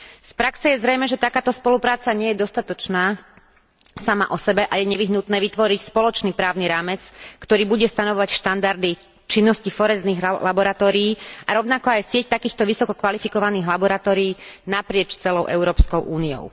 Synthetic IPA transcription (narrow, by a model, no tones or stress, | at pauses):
spɾaksɛjɛzɾɛjmɛʒɛt̪akaːt̪ɔspɔlupɾaːt͡saɲɛjɛd̪ɔst̪at̪ɔt͡ʃnaː | sama̰ʔɔsɛbɛʔajɛɲɛʋiɦnut̪nɛːʋit̪ʋɔɾicspɔlɔt͡ʃniːpɾaːʊniɾaːmɛt͡skt̪ɔɾiːbuɟɛst̪anɔʋɔʋacʃt̪and̪aɾd̪i | t͡ʃinːɔscifɔɾɛzniːɣlabɔɾat̪ɔːɾiːaɾɔʊnakɔajsɪɛct̪akiːxt̪ɔʋisɔkɔkʋalifikɔʋaniːɣlabɔɾat̪ɔːɾiːnapɾɪɛt͡ʃt͡sɛlɔʊʔɛ̰ʊɾɔːpskɔʊʔuːniɔ̰ʊ